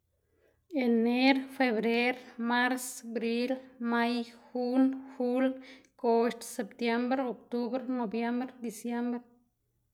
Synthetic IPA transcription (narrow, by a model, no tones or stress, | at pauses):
eneɾfeβɾeɾmaɾsbɾilmajxunxulkost̪sept̪jembɾeok̚t̪uβɾnobjembɾd̪isjembɾe